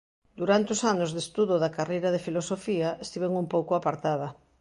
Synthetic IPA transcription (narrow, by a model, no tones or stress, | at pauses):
d̪uɾant̪eosanʊzðest̪uðoðakarejɾɐðefilosofiaest̪iβeŋumpowkʊapaɾt̪að̞ɐ